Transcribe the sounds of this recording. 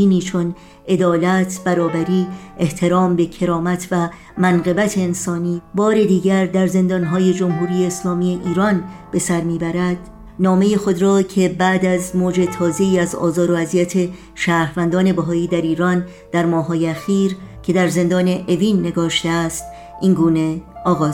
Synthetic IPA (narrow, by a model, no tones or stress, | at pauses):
iːniːt͡ʃʰo̞n | e̞d̪ɒːlæt̪ʰb̥æɾɒːbæɾiːe̞ht̪ʰe̞ɾɒːmbe̞cʰe̞ɾɒːmæt̪ʰvæ | mænɢe̞bæt̪ʰe̞ːnsɒːniːbɒːɾe̞d̪iːɟæɾd̪æɾze̞nd̪ɒnɦɒːje̞d͡ʒo̞mɦuːɾiːjeːslɒːmiːeʔiːɾɒnb̥esæɾmiːbæɾæd̪̥ | nɒːme̞jixo̞d̪ɾɒːcʰe̞bæd̪æzmoːd͡ʒe̞t̪ʰɒːze̞iːæzɒ̰ːzɒːɾo̞æzijæt̪ʰe | ʃæːɾvænd̪ɒːne̞bæɦɒːiːd̪æɾiːɾɒn | d̪̥æɾmɒːɦɒːjeæxiːɾcʰe̞d̪æɾze̞nd̪ɒːne̞ʔeviːnːe̞ɡɒːʃt̪eæst̪ | iŋɡuːne̞ɒːɣɒːz